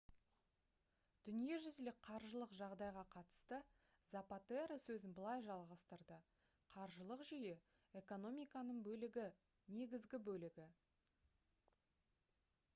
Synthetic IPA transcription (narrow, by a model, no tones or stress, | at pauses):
d̪̥ʏnije̞ʒʏzɪlɪk̚qʰɑɾʒəlˠəqʒɑʁd̪ɑjʁɑqʰɑt̪ə̥st̪ə | zapat̪eɾəsɵzɪnbəlˠɑjʒɑlˠʁɑst̪əɾd̪ə | qʰɑɾʒəlˠəqʒʏjɪ | e̞ko̞no̞mijkɑnəɴbɵlɪɡʲɪ | ne̞ɡʲɪzɡʲɪbɵlɪɡʲɪ